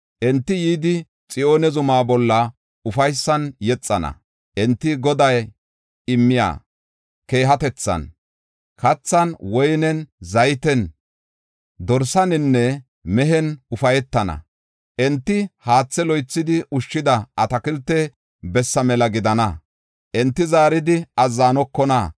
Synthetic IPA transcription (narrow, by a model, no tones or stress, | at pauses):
ʔɛnt̪ːɪjiːd̪ɪ | t͡sʼɪo̞ːnɛzʊmaːbɔlːɐ | ʊfɐjsːɐnjɛt͡sʼːɐnɐ̰ | ʔɛnt̪ːɪɡɔd̪ɐj | ɪmːɪja̰ː | ke̞ːɦɐt̪ɛt͡sːɐ̰n | kɐt͡sːɐnwɔjnɛnzɐjt̪ɛn | d̪ɔɾsɐnɪnːɛ | mɛɦɛnʊfɐjɛt̪ːɐnɐ̰ | ʔɛnt̪ːɪhaːt͡sːɛlɔjt͡sːɪd̪ɪʔʊʃːɪd̪ɐɐt̪ɐkɪlt̪ːɛ | bɛsːɐmɛlɐɡɪd̪ɐnɐ | ʔɛnt̪ːɪzaːɾɪd̪ɪɐzːaːnɔkːɔnɐ